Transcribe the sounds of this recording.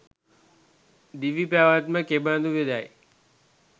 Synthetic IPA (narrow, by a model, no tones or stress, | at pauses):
d̪iʋipjaːʋat̪məkebãːnd̪uʋed̪aj